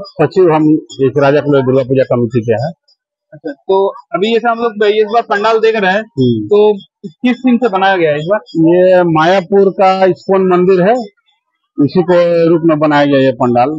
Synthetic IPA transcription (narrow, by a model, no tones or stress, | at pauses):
sɐtːʃʰiɦɐmeːkɾaːd͡ʒakloed̪ʊɾlap̬uːd͡ʒakɐmiʈikeɦɛ̃ː | ɐtːʃʰat̪oːɐbʱijɛseɦɐmloːɡ̚beeɪsbaːɾpɐ̃ɳɖaːld̪eːkʰɾɛɦɛ̃t̪oː | kɪstiːmsebɐnaːjaɡɐjaɛɪs̬baːɾjemaːjapʊɾkaɪspoːnmɐ̃nd̪ɪɾɦɛ | ɪsikoɾuːpmẽbɐnaːjaɡɐjajepɐ̃ɳɖaːl